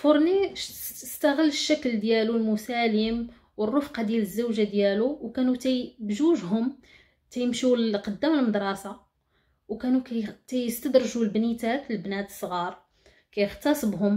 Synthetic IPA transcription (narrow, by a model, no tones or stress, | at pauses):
foɾˤnibʃəst̪æɣəlːəʃːækld̪jælulmʊsæləm | wərˤːofqɑd̪jæləzːæwʒad̪jæluwkænut̪æjbʒuʒɦʊm | t̪æjəmʃulqɑd̪ːæməlməd̪ɾˤɑsa | wkænukæjt̪æjəst̪əd̪ɾˤʒulbnit̪ækləlbnæt̪ə̥sˤɣɑɾˤ | kæjəxt̪ɑsˤbɦʊm